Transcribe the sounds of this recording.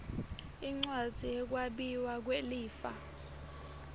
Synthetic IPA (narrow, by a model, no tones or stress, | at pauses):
iŋ͡ǀwḁz̥ʱijɛk̬waɓiwak̬weliːfa̰